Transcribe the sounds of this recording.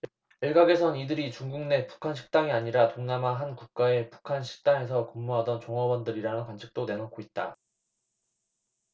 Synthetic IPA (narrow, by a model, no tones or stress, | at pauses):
iɭɡaɡe̞sʰʌnidɯɾit͡ɕuŋɡuŋne̞pu̥kʰanɕʰi̥k̚t͈aŋiaɲiɾatoŋnamaɦankuk̚k͈ae̞pu̥kʰanɕʰi̥k̚t͈aŋe̞sʰʌkɯmːuɦadʌnt͡ɕoŋʌbʌndɯɾiɾanɯnkwant͡ɕʰi̥k̚t͈one̞nʌt̚kʰoit̚t͈a̰